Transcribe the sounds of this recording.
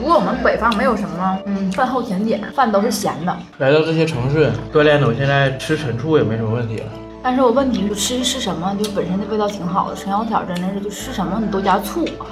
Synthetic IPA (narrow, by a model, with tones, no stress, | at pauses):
u˧˥kwɔ˧˥wɔ˨˩mə˦npe˨˩ɪfɑ˥˩ŋme˧˥ɪjo˨˩ʊʂə˧˥mə˧nə˧n̩˥˩fa˥˧nxo˥˩ʊt̪ʰjɛ˧˥nt̪jɛ̰˨˦nfa˥˩nt̪o˥ʊxwe˥˩ɕjɛ̰˧˥nd̪ə̰˧ | la˧˥ɪt̪ɑ˥˧ʊʈ͡ʂɤ˥˩ɕjɛ˥ʈ͡ʂʰɤ˧˥ŋʂɻ̩˥˩t̪we˥˧ljɛ˥˩nə˨˩˨ɕjɛ˥˧nt͡sa˥˩ɪʈ͡ʂʰɻ̩˥ʈ͡ʂʰə˧˥nʈ͡ʂʰu˥˧jɛ˨˩m˧˥˩wə˥˩nt̪ʰḭ˧˥lə̰˨˩ | t̪a˥˧nʂɻ̩˥˩wɔ˨˩wə˥˩nt̪ʰi˧˥ʈ͡ʂʰɻ̩˥˧˥ʈ͡ʂʰɻ̩˥˩ʂə˧˥nmə˧t͡ɕjo˥˧ʊʂɻ̩˥˩pə˨˩nʂ̬ɻə˥nt͡ɕ̪pt̪ɑ˥˩ʊi˧˥ŋxɑ˨˩ʊd̪ə˦ʂə˧˥jɑ˧˥t̪ʰjɑ˨˩ʊʈ͡ʂa˥˩na˥˧ʂɻ̩˥˧t͡ɕjo˥˧ʊʂʂɻ̩˥˩ʂə˧˥nmə˧xə˨˩nt̪ɔ˥t͡ɕja˥t͡sʰu˥˩